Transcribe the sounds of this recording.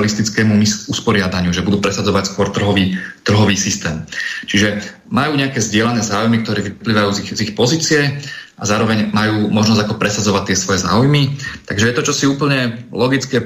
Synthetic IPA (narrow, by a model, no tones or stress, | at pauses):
list̪it͡skɛːmumisuspɔɾɪad̪aɲɪuʒɛbud̪uːpɾɛsad͡zɔʋacskʊɔɾt̪r̩ɦɔʋiːt̪r̩ɦɔʋiːsist̪ɛːmt͡ʃiʒɛ | majuːɲɛakɛːzɟɪɛlanɛːzaːujmikt̪ɔɾɛːʋipliːʋajuːzizixpɔziːt͡siɛʔazaːɾɔʋɛɲmajuːmɔʒnɔzɟakɔpɾɛsad͡zɔʋac̚t̪ːɪɛsʋɔjɛza̰ːujmit̪aɡʒɛjɛt̪ɔt͡ʃɔsiuːpl̩ɲɛlɔɡit͡skɛː